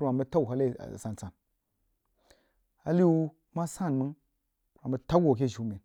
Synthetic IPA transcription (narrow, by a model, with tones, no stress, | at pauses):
a˨bə˦ta˦u˨ɦa˦lḛ˦˨sa˨nt͡sa˨n | a˨li˦u˦ | ma˦sa˦˨mɨ˦ŋ˨ | a˨bə˦ta˦ɡʷo˨k̬e˦˨ʒu˨˦mi˨n